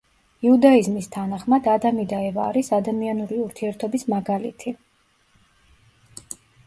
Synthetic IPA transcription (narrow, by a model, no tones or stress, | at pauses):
iud̪aizmist̪ʰanaχmad̪ad̪amid̪aɛvaːɾisad̪amianuɾiuɾt̪ʰiɛɾt̪ʰɔbismaɡalḭt̪ʰi